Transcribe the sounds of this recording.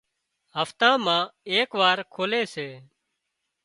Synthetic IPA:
ɦəft̪ãːmãːeːkʋaːɾkʰoːleːseː

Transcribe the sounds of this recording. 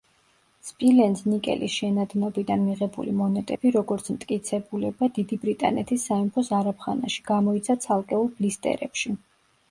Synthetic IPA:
spʼilɛnsnikʼɛ̰lʔisʃɛnad̪nɔbid̪anmiʁɛbṵlimɔnɛt̪ʼɛbiɾɔɡɔɾt̪sʰmt̪ʼkʼit̪sʰɛbulɛbad̪id̪ibɾit̪ʼa̰nɛ̰t̪ʰisːaimpʰɔsaɾapʰχanaʃi̥ɡ̥amɔit̪sʰat̪sʰalˠkʼɛulˠblist̪ʼɛ̰ɾɛ̰pʃi

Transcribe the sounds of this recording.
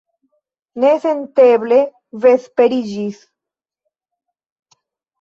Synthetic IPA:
nesent̪eβle | vespeɾid͡ʒis

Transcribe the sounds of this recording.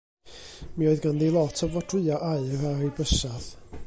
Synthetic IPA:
miɔɨðɡandilˠɔtʰɔvvɔtʰr̥ɨːaʔaɨraɾibəʃað

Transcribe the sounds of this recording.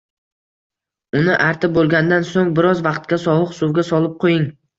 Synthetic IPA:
ʊnɪʔaɾt̪ʰɪbolˠɡʲand̪ansoŋbɪɾɒzvɑqt̪̚kʲasɒwɨqsuwɡʲasɒlˠɪp̚qʰojɪŋ

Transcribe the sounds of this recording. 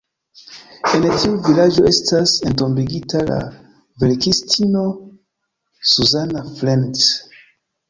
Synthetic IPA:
entiuvilad͡ʒo̞ʔe̞stase̞nt̬o̞mbiɡitʰala̰ | velkistʰino̞ | suzanaflens

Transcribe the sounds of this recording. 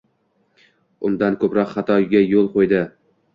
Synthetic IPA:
ʊnd̪ankʰɵpɾɒqχɑt̪ʰɒjɡʲajolˠqojd̪ɪ

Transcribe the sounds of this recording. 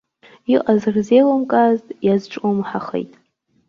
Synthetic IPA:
iʔʼazɨrzelomkʼaztʼjazʈ͡ʂʼomħaχḛjtʼ

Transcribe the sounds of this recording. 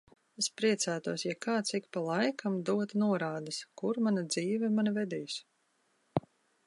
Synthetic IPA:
espɾiɛt̪sæːt̪uɔsjakaːt̪sikpalˠɑjkʰamd̪uɔt̪nuɔɾaːd̪ɐskuɾmanad̪ziːvɛmanavɛd̪iːs

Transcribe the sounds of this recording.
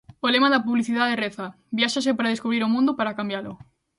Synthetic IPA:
olemaðapuβliθiðaðereθa | bjaʃasepaɾað̞eskuβɾiɾomũnd̪opaɾakambjalo

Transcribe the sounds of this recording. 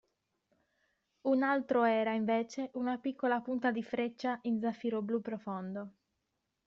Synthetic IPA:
unalt̪ɾoɛːɾaiɱveːt͡ʃeʔunapikːolapunt̪ad̪ifɾet͡ʃːaʔind̪zafːiɾoblupːɾofond̪o

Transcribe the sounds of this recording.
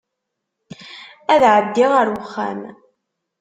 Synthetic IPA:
æðʕəbd̪ːiʁəɾwəχːæ̰m

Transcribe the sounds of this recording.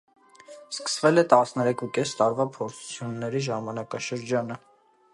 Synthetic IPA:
skə̥svɛlɛt̪ɑsnɛɾɛkʰukɛst̪ɑɾvɑpʰɔɾt͡sʰu̥t͡sʰjunːɛɾiʒɑmɑnɑkɑʃəɾd͡ʒɑnə

